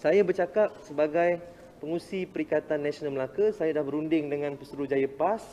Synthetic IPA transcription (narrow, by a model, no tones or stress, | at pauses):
sajabərt͡ʃakap̚səbaɡaj | pəŋũsipəɾikat̪anːãsionalməlakəsajadahbəɾundɪŋdəŋãnpəsuɾud͡ʒajapas